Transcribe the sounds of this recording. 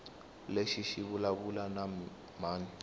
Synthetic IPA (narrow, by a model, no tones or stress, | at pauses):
leʃiʃiβulaβulana | maːn